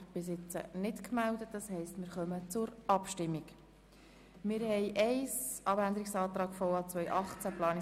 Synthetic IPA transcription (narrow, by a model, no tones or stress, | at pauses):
b̥ɪs̬ɪt͡sə̰nɪtkmældət̚d̥ɑshɛɪstmɪːɾχœmət͡sʊɾɑpʃtɪmːik | mɪːɾhɛjʔɛɪsʔɑbænd̪əɾiksɑːt̪ɾɑːɡfɔɑt͡sʋœjʔɑχt͡sæplɑːn